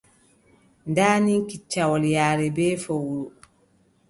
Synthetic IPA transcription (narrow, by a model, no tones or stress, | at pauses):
ndaːniŋkit͡ʃːawɔljaːɾɛbɛːfowɾu